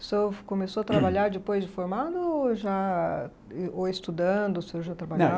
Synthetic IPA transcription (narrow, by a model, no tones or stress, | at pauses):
sokõmesoɐt̪ɾabaʎaɾd͡ʒɪpojzd͡ʒɪfoɾmad̪ʊʒa | oɪst̪ud̪ɐ̃d̪ʊsɪewʒat̪ɾabaʎa